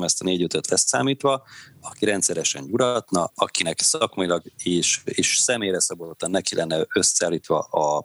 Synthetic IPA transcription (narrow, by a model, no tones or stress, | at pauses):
mɛst̪ɒneːɟøt̪øt̪ʰlɛsa̰ːmiːt̪ʋɒɒkiɾɛnt̪sɛɾɛʃɛ̰ɲɟuɾɒt̪nɒɒkinɛksɒkmɒjilɒɡeːʃeːʃsɛmeːjrɛsɒbod̪ot̪ːɒnːɛkilʔɛnːɛø̞saːlːiːt̪ʋɒ̰ɒ